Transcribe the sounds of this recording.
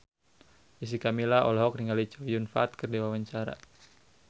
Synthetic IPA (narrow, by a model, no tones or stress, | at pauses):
is̬ikamilaʔɔ̰laɦɔk̚niŋalit͡ʃawjunfaːt̪̚kərdiwawaɲt͡ʃaɾa̰